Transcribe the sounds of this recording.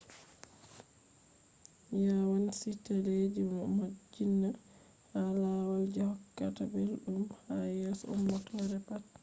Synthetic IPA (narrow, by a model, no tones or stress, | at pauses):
jawansitaled͡ʒimɔmad͡ʒinːa | halawald͡ʒɔhɔkːatabɛlɗumhajɛsɔṵmːɔtɔɾɛpat̚